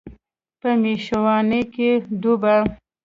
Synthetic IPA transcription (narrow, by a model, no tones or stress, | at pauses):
pəmeʃwɑneked̪uba